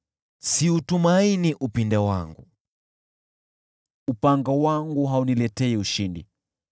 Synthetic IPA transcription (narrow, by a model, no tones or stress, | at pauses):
siutumainiʔupindɛwa̰ŋɡṵ | upaŋɡawaŋɡuɦaunilɛtɛiuʃindḭ